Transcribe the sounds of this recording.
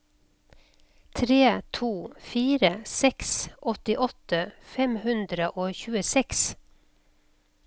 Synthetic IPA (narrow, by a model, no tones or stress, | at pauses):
t̪ʰɾeːt̪ʰuːfiːɾəsɛksʔɔt̪ɪʔɔt̪əfɛmhʉnd̪ɾəʔoːçʉːəsɛks